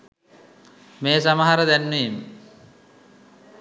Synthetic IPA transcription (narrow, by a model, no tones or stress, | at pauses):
meːsamaɦaɾəd̪ænːeimə